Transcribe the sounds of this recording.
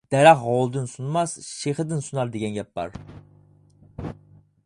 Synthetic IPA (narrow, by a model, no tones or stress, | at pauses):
d̪̥ɛɾɑχʁɑwlˠd̪ɨnsunmɑsʃeχəd̪ɪnsunɑɾd̪eɡʲɛnɡʲɛp̚bɑ̰ɾ